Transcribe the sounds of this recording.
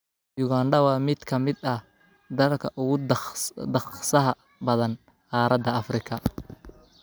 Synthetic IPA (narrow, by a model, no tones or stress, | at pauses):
jʊɣaːɳɖɐwɑːmɪd̪kʰɐmɪd̪ɐ | d̪ɐlkʰɐʔʊɣʊd̪ɐχsɐɦɐ | bɐðɐn | qɑːɾɐd̪ɐɐfrɪkʰɐ